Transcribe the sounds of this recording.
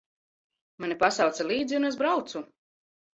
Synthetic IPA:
manipasawt̪sɛlˠiːd̪ziunezbɾawt̪su

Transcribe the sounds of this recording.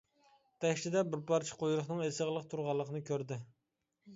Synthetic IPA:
t̪ʰɛʃlɪd̪ɛbɪɾpʰɑɾt͡ʃʰi̥qʰojɾʊχnɨŋesəʁlˠəqt̪ʰuɾʁɑlˠːəqənɨkʲʰøɾd̪ɪ

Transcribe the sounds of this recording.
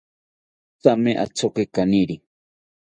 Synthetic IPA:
t͡sameʔa̰t͡sʰokekaniɾi

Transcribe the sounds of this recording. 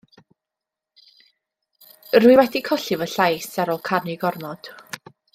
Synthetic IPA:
rwɨwɛdikʰɔɬɪvəɬajsaɾoːlˠkʰarniɡɔrnɔd̥

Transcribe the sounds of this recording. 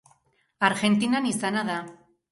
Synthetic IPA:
aɾɣe̞nt̪inanisanaða

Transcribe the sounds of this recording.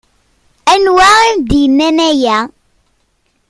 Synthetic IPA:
ænwæimd̪ijənːænæjæ

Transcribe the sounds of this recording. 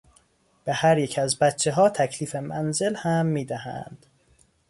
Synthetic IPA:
b̥ehæɾjecʰæzbæt̪t͡ʃʰeɦɒːt̪ʰæcʰliːfemænze̞lhæmːiːd̪æhæ̰nd̪̥

